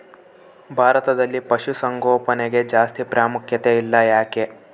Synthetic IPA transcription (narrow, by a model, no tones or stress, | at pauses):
bʱaːɾɐt̪ɐd̪ɐlːipɐʃusɐŋɡoːpɐneɡe̞d͡ʒaːst̪ipɾaːmukʰjɐt̪eilːɐjaːke